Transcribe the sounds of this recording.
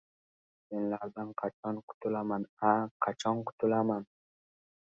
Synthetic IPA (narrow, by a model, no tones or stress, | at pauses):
menlaɾd̪anqʰɑt͡ʃʰɒnqʰʊ̥t̪ʰʊlamanaqʰɑt͡ʃʰɒnqʰʊ̥t̪ʰʊlaman